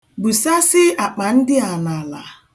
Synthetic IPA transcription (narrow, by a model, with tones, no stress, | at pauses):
bu˨sa˦sɪ˦a˨k͡pa˨n̩˦dɪ˦a˨na˨la̰˨